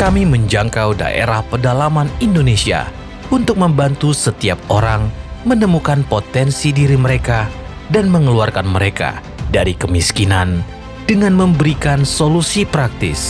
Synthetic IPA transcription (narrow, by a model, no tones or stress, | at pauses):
kamiməɲd͡ʒaŋkawda̰ʔḛɾahpərdalamanindonesia̰ | unt̪ʊk̚məmbant̪usət̪iap̚oɾaŋmənəmukanpot̪ɛnsidiɾiməɾeka | danməŋəluarkanməɾeka̰ | daɾikəmiskinan | d̥əŋanməmbəɾikansolusipɾak̚t̪ɪ̰s